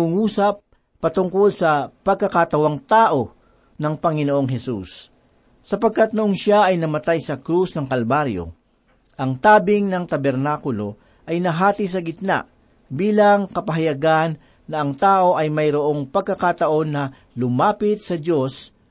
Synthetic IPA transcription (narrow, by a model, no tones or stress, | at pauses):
uŋuːsɐp̚ː | ɐt̪ʊŋko̞lsɐpɐɡ̚kɐkat̪ɐwaŋt̪aːʔo̞ | nɐŋpɐŋɪnoʔo̞ŋɦɛsusː | ɐpɐɡ̚kat̪̚nʊʔonʃaʔɐjnɐmɐt̪ajsɐkɾusnɐŋkɐlbaɾjo̰ | ʔɐŋt̪aːbɪŋnɐŋt̪ɐbɛɾnaːkʊlo̞ | ʔɐjnɐɦaːt̪is̬ɐɡɪt̪̚na̰ʔ | biːlɐŋkɐpɐɦɐjɐɡanː | ɐʔɐŋt̪aːʔo̞ʔɐjmɐjɾoʔo̞ŋpɐɡ̚kːɐkat̪ɐʔo̞nːɐ | lʊmaːpɪt̪̚sɐdo̞s